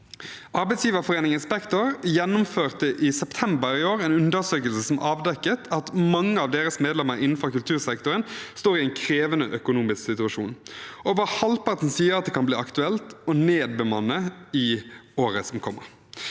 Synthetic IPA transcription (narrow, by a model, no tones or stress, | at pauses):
ʔɑɾbɛɪtsjiːʋəfɔʁeːnɪŋənspɛkt̪ʊɾjɛnːʊmføːʁt̪əʔɪsɛpt̪ʰɛmbəɾɪoːɾɛːnʉnd̪əʁsøːkəlsəsɔmʔɑːʋd̪ɛkːət̪ʰɑt̪mɑŋːəɑʋd̪eːɾəsmeːd̪lɛməɾɪnn̩fɔɾkʉlt̪ʰʉːʁsɛkt̪ʊɾənst̪oːɾɪɛɪnkʰɾeːʋənəʔœkʊnuːmɪsksɪt̪ʉɑʃuːnɔʋɑːhɑlpɑʁt̪n̩siːəɾɑt̪̚d̪ɛkʰɑnbliːɑkt̪ʉɛlt̪ɔneːd̪̚bəmɑnːəɪoːɾəsɔmkʰɔmːə̰